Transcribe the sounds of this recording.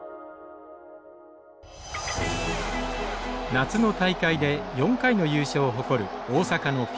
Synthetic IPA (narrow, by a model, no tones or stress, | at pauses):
nat͡sɨno̞t̪aikaid̪e̞jõ̞ŋkaino̞jɯːɕoːɦo̞ko̞ɾɯ̟oːsakano̞kʲ